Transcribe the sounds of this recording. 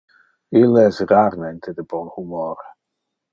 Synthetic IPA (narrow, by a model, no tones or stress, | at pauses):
ilɛsraɾmɛnt̪ʰəd̪əbɔnhumɔːɾ